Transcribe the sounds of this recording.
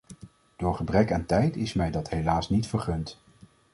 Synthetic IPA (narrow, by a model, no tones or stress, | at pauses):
d̥ʊːɹχəbrɛkaːntɛjtɪsmɛjdɑtɦejlaːsnitfəɹχɵnt